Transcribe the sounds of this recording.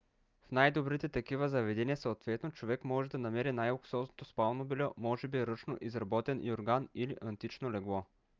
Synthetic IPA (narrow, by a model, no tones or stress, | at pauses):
fnajd̪obɾit̪ɛt̪ɐkivɐzɐvɛd̪ɛniɐsɐot̪vɛt̪not͡ʃovɛkmɔʒɛd̪ɐnɐmɛɾinajoksɔznot̪ospalˠnobilʲɔmɔʒɛbiɾɤt͡ʃnoʔizɾɐbɔt̪ɛnʔioɾɡaniliʔɐnt̪it͡ʃnolɛɡlˠɔ